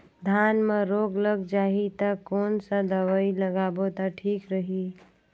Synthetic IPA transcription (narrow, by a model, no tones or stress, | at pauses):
d̪ʱjaːnmẽɾoːɡləɡd͡ʒaːɦit̪akoːnsəd̪əʋaːiləɡaːbot̪aʈʰiːkɾəɦi